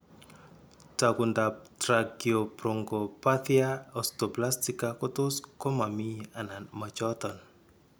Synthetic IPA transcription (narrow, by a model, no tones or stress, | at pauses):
taɡundap̚tɾaɡiɔpɾɔŋɡɔpat̪iaɔstɔplastikakɔt̪ʊskɔmamiananmat͡ʃɔt̪ɔn